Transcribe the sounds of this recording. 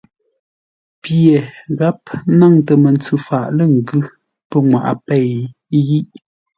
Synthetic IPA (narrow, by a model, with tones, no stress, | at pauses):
pje˨ɣa˦p̚na˦˨ŋtə˨mə˨nt͡sʉ˨fa˨ʔlə˦ŋ̩˨ɡʉ˦ | pə˦ŋwa̰˨ʔa̰˨pɛ˦˨j | ɣi˦ʔ